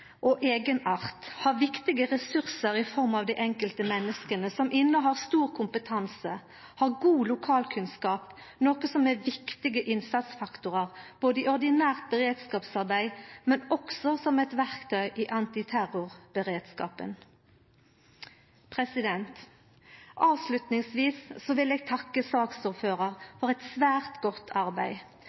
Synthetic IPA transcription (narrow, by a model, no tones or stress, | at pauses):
ʔɔʔeːɡənɑʁt̪hɑːʁʋɪkt̪ɪɡəʁɛsʉʁsəʁɪfɔʁmɑʋd̪æɪʔɛŋkəlt̪əmɛnːəskənəsɔmʔɪnːəɦɑːʁst̪uːʁkʰʊmpət̪ʰɑnsə | hɑːʁɡuːlʊkʰɑːlkʰʉnskɑːp | noːkəsɔmæʋɪkt̪ɪɡəʔɪnsɑt̪sfɑkt̪ʊʁəʁb̥oːd̪əɪʔɔʁd̪ɪnæːʁt̪̚bəʁeːd̪skɑːpsɑʁbæɪmɛnɔksɔsɔmɛt̪ʋæʁkt̪ʰœʏʔiːʔɑnt̪ɪt̪ʰæʁʊʁb̥əʁeːd̪skɑ̰ːpə̰n | pʰʁɛsɪd̪ɛnt̪ | ʔɑːʋslʉt̪nɪŋsʋiːsːɔʋɪlɛːɡ̚t̪ʰɑkːəsɑːksuːʁføːʁəʁfɔʁɛt̪sʋæːʁt̪ɡɔt̪ːʰɑʁbæɪ